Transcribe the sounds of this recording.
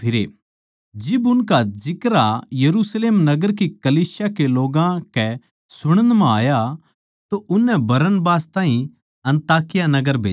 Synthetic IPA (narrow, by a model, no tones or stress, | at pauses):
pʰɪɾe | d͡ʒɪbʊnkad͡ʒɪkɾajɐɾuːsleːmnɐɡəɾkikɐliːsjakeloːɡãkɛ | sʊɽ̃ənmãaːja | t̪oʔʊnːɛbɐɾənbaːst̪ãːɦĩ | ɐ̃nt̪aːkɪjanɐɡəɾbʱḛː